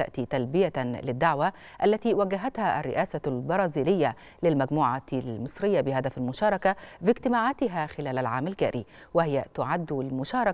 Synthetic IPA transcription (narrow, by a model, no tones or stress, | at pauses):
a̰ʔt̪iːt̪ælbɪjalɪd̪ːaʕwa | ʔalːæt̪iːwæɡæɦat̪haʔarːɪʔæːsalbɑɾˤɑːziːlɪjːa | lɪlmæɡmuːʕalmɨsˤɾɪjːabɪhæd̪æfalmʊʃɑːɾˤɑkabɪɡt̪ɪmaːʕaːt̪ɪɦæxɪlæːlalʕaːmalɡæ̰ːɾʔḭwɪhɪjæt̪ʊʕad̪ːlmʊʃɑːɾˤɑ